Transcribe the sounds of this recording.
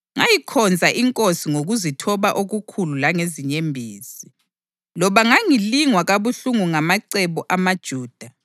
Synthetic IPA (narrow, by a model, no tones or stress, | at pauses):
ŋajikʰɔnd͡zʱaʔiŋkʼosiŋoɣuzitʰɔβaʔoɣukʰululaŋeziɲembʱiːsi̥ | lɔβaŋaŋiliŋwaɣaβuɬuŋuŋamaǀɛβɔʔamad̥ʒ̥ʱuːd̥ʱa